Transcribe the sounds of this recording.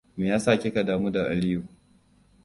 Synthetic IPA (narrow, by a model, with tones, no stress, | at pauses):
meː˨jaː˦saː˦˨kʲe˦ka˨daː˨muː˦da˨ʔa˨lɪ˦ju˨